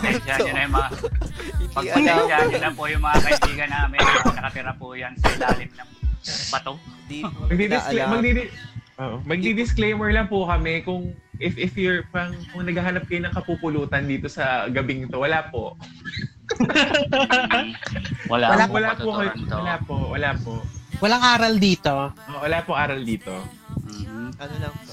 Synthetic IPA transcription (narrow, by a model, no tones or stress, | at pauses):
ɛd͡ʒaɐnɐjʊmɐa | pɐɡɐd͡ʒaɐlɐpojʊŋmɐŋakɐbiːɡɐnamɪnɐnɐkɐt̪ɪɾapʊjɐnsɐlaːlɪt̪̚nɐŋbɐt̪omɐɡ̚d̪id̪smɐɡd̪id̪ʔoʔmɐɡ̚d̪id̪ɪsklejmɛɹlɐŋpʊkɐmɛkʊŋʔɪfʔɪfjʊɹpaɐŋkʊŋnɐɡaːɦanɐp̚kɐjonɐŋkɐpupʊluːt̪ɐnd̪iːt̪o̞sɐɡɐbɪŋt̪owɐlaːpoʔ | wɐlawɐlawɐlaːpokɐj̪wɐlaːpowɐlaːpoʔwɐlaŋʔaːɾɐld̪iːt̪oʔowɐlaːpoʔaːɾɐld̪iːt̪o̞ | ɐnonɐ